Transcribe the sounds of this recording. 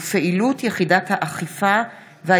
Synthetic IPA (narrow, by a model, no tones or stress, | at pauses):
feʔilutjeχidathaʔaχifa | veha